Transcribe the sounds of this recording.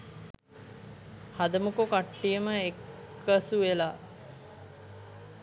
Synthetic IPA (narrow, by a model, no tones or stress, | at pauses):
had̪əmukokaʈːijəməekː | əsuʋelaː